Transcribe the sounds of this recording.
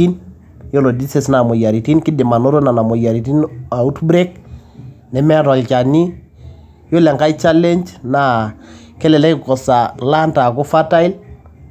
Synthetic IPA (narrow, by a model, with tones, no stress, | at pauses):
i˦n | jo˦lo˨di˦se˨sna˨mɔ˨ja˨ɾi˨ti˦nki˦dɪ˨ma˨no˦ɾo˦na˨na˨mo˨ja˨ɾi˨t̬i˦na˨u˦tbɾe˦k | nɛ˨mɛ˦a˦tɔ˨lt͡ʃa˨ni˦ | jo˦lɛ˨ŋka˦i˦t͡ʃa˦lɛ˦nd͡ʒna˨ | kɛ˦lɛ˨lɛ˦kɪ˦kɔ˨sa˨la˦nta˨ko˦fa˦ta˦i˦l